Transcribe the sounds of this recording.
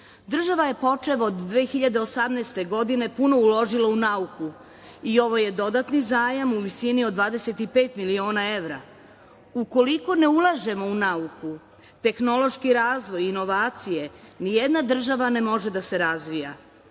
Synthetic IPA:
d̪r̩ʒaʋaje̞po̞t͡ʃe̞ʋod̪ːʋeːxiʎad̪e̞o̞samnest̪e̞ɡo̞d̪ine̞puno̞ulo̞ʒilaunauku | io̞ʋo̞je̞d̪o̞d̪at̪nizaːjamuʋisiniod̪ʋaːd̪ese̞t̪ipe̞ːt̪milio̞ːnae̞ʋɾa̰ | uko̞liko̞ne̞ulˠaʒe̞mo̞unauku | t̪e̞xno̞lˠo̞ʃkiɾaːzʋo̞jino̞ʋaːt̪sije̞nijed̪nad̪r̩ʒaʋane̞mo̞ʒe̞d̪ase̞ɾazʋija̰

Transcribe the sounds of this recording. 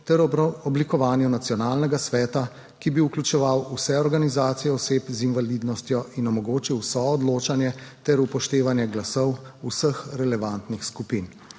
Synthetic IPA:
t̪ɛɾɔblikɔʋaːnjunat̪sijɔnaːlnɛɡasʋɛːt̪a | kibiuklʲut͡ʃɛʋawusɛɔɾɡanizaːt̪sijɛɔseːpzinʋaliːd̪nɔst̪jɔinɔmɔɡoːt͡ʃiwsɔɔd̪loːt͡ʃanjɛt̪ɛɾupɔʃt̪eːʋanjɛɡlasɔwusəxɾɛlɛʋant̪nixskupin

